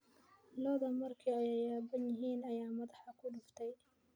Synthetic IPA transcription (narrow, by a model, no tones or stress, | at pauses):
lɔːðɐmɐrkʰiːɛjjaːbɐnjɪɦiːnɐjaːmɐðɑħɐkʰʊɖʊft̪ʰɛj